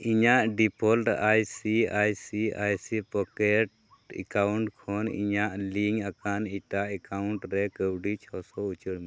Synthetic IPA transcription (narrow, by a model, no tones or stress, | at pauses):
iɲaʔɖipʰɔlɾɛ̰ajsiajsiajsipɔkɛʈ | ɛ̰kawɳʈkʰɔnḭɲaʔliŋakaniʈaʔɛkawɳʈɾɛkəwɖit͡ʃʰɔsɔut͡ʃəɽmi